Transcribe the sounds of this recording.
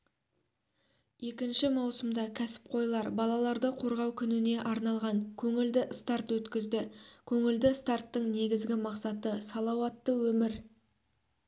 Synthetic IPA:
je̞kʲɪnʃɪmɑwsəmd̪ɑkʲʰæsɪ̥p̚qʰo̞jlˠɑɾbɑlˠɑlˠɑɾd̪əqʰo̞ɾʁɑwkʲʰʏnɪne̞ʔɑɾnɑlˠʁɑŋkʲʰɵŋɪld̪ɪst̪art̪wɵt̪kʲɪzd̪ɪkʲʰɵŋɪld̪ɪst̪art̪ːəɴne̞ɡʲɪzɡʲɪmɑqsɑt̪əsɑlˠɑwɑt̪ːəwɵmɪɾ

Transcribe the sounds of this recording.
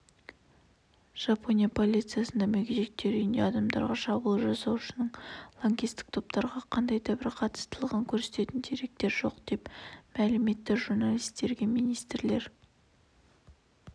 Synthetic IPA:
ʒ̥ɑpʰo̞nijapʰo̞lʲˠijt̪sɨijasənd̪ɑmɵɡʲeʒek̚t̪e̞ɾʏjɪnd̪e̞ɑd̪ɑmd̪ɑ̰ɾʁɑʃɑbəlˠʒɑsɑwʃənəɴlˠoŋɡʲist̪ɪ̥k̚t̪ʰo̞p̚t̪ɑɾʁɑqʰɑnd̪ɑjd̪ɑbɪɾqʰɑt̪ə̥st̪əlˠʁɑŋkʲʰɵɾse̞t̪e̞t̪ɪnd̪eɾe̞k̚t̪e̞ɾʒo̞qd̪e̞pmælɪme̞t̪ːɪʒuɾnɑlijst̪e̞ɾɡʲe̞mijnijst̪ɾle̞ɾ

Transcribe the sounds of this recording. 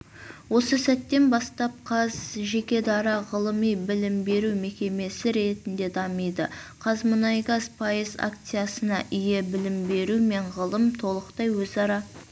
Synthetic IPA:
wo̞səsæt̪ːe̞nbɑst̪ɑp̚qʰɑzʒe̞kʲe̞d̪ɑɾɑʁəlˠəmijbɪlɪmbe̞ɾume̞kʲe̞me̞sɪɾe̞t̪ɪnd̪e̞d̪ɑməjd̪əqʰɑzmənɑjɡɑzpʰɑjəza̰kt̪sɨjasənɑʔʏje̞bɪlɪmbe̞ɾume̞ɴʁəlˠəmt̪ʰo̞lˠəqt̪ɑjwɵzɑɾɑ

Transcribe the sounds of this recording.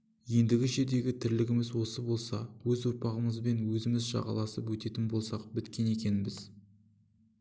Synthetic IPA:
je̞nd̪ɪɡʲɪʒe̞ɾd̪e̞ɡʲɪt̪ʰɪɾlɪɡʲɪmɪzwo̞səbo̞lˠsɑ̰wɵzwoɾpɑʁəməzbe̞nwɵzɪmɪzʒɑ̰ʁɑ̰lˠɑsəpwɵt̪e̞t̪ɪnbo̞lˠsɑqbɪt̪kʲe̞ne̞kʲe̞nɪbɪz̥

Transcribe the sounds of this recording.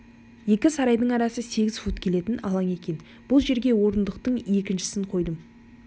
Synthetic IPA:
je̞kʲɪsɑɾɑjd̪əɴɑɾɑsəse̞ɡʲɪzfut̪kʲʰe̞le̞t̪ɪnɑ̰lˠɑŋe̞kʲe̞n | b̥ʊlˠʒe̞ɾɡʲe̞wo̞ɾənd̪əqt̪əɴe̞kʲɪnʃɪ̥sɪɴqʰo̞jd̪əm

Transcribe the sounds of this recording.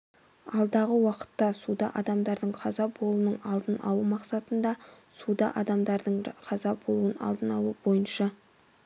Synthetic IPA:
ɑlˠd̪ɑʁəwɑqə̥t̪ːɑsud̪ɑʔɑd̪ɑmd̪ɑɾd̪əɴqʰɑzɑbo̞lˠunəɴɑlˠd̪ənɑ̰lˠumɑqsɑt̪ənd̪ɑ | sud̪ɑ̰ʔɑd̪ɑmd̪ɑɾd̪əɴqʰɑzɑbo̞lˠuənɑ̰lˠd̪ənɑlˠubo̞jənʃɑ

